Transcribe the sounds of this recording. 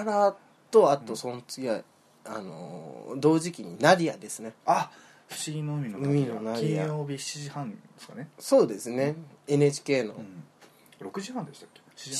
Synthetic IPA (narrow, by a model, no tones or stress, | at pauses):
aɾa | t̪o̞at̪o̞sõ̞nt͡sɨ̥ɡʲia | a̰no̰d̪o̞ːʑikʲiɲ̟inaɾʲia̰d̪e̞sɨnea | ɸɯ̟̥ɕiĩnoɯ̟mʲinoɯmʲinonaɾʲĩaoːbʲiçi̥t͡ɕiʑihãneskaneso̞ːd̪e̞sɨne̞e̞net͡ɕi̥ke̞ːno̞̰ | ɾo̞kɯ̟ʑihãnd̪e̞ɕi̥t̪ḁkːei